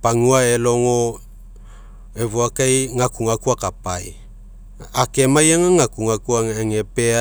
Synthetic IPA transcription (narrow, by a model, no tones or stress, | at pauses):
paŋuaeloŋo | evuakajŋakuŋakuakapaj | akemajaŋaŋakuŋakuaŋeŋepea